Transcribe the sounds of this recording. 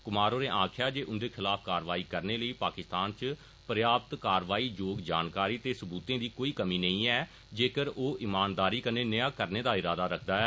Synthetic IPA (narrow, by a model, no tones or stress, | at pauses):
kʊmaːɾoːɾeːʔãːkʰɪjaːd͡ʒeːʔʊnd̪eːkʰɪlaːpʰkaːɾʋaːiːkəɾneːləiːpaːkɪst̪aːnt͡ʃ | pəɾjaːpt̪kaːɾʋaːiːd͡ʒoːɡd͡ʒaːnkaːɾiːt̪eːsəbuːt̪ẽːd̪iːkoːiːkəmiːnəĩːɛː | d͡ʒeːkəɾoːʔɪmaːnd̪aːɾiːkəɾneːnəjaːkəɾneːd̪aːɪɾaːd̪aːɾəkʰd̪aːɛː